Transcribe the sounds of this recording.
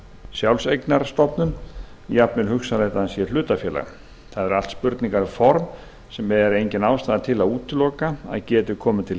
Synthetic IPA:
sjawlsejknaɾ̥st̪ɔpnʏn | japnʏɾhʏxsaleht̪ansjɛɾl̥ʏːt̪afjɛːla̰ɣ | θaðɛɾal̥t̪spʏɾt̪niŋkaɾfɔɾm | sɛmːɛðɛɾejɲcɪnaːwst̪aːðat̪ʰɪlaðuːt̪ʰɪlɔːkaa̰ðcɛːt̪ʏkʰɔːmʏt̪ʰɪl

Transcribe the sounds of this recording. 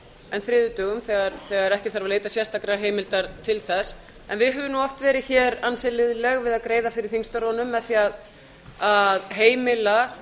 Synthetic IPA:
ɛnθɾɪːðʏt̪œɣʏmθɛɣaɾθɛɣaɛɾɛhcɪθaɾvaleːjt̪asjɛst̪akɾaɾɦeːjmɪlt̪aɾt̪ʰɪlθɛs | ɛnvɪðɦœvɪmnuɔft̪vɛːɾɪçɛɾansɛlɪðlɛɣvɪðaðkɾeːjðafɪɾɪɾ̥θiŋst̪ɔɾɔnʏmaθiað | aðɦeːjmɪla

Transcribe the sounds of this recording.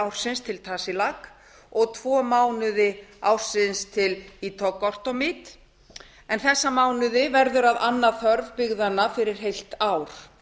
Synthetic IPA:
awɾ̥sɪnst̪ʰɪlt̪ʰaːsɪlak | ɔɣt̪ʰv̥ɔːmaːwnʏðɪawr̥sɪnst̪ʰɪlit̪ʰɔkːɔr̥t̪ɔmɪt̪ | ɛnθɛsːamaːwnʏðɪvɛɾðʏɾaðanːaθœɾvpʏɣðanːafɪɾɪɾ̥ɦejl̥t̪aːwɾ̥

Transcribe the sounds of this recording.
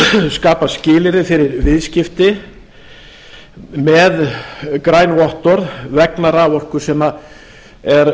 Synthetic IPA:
skaːpascɪːlɪɾɪfɪɾɪɾvɪðscɪft̪ɪ | mɛðkɾaːjnvɔht̪ɔɾðvɛknaɾavɔr̥kʏɾ̥sɛma | ɛɾ

